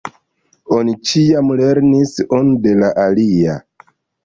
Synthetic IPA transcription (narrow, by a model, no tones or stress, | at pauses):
o̞nit͡ʃijamle̞ɾnisonde̞laʔalia̰